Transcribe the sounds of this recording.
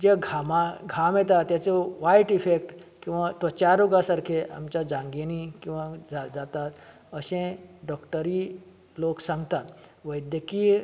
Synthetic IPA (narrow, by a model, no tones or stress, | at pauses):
d͡ʑeɡʱamaɡʱamet̪at̪jat͡sɔʋajʈifek̚ʈkĩw̃ʋat̪ɔt͡ɕaɾoɡasaɾkʰeʔa̰mt͡ɕad͡zãŋɡenikĩw̃ʋad͡zad͡zat̪at̪ | əɕẽɖɔkʈəɾi | loksãŋɡʱt̪at̪ʋəjd̪jəki